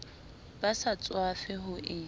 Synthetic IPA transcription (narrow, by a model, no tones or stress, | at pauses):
basat͡sʼwafɪɦʊʔɪ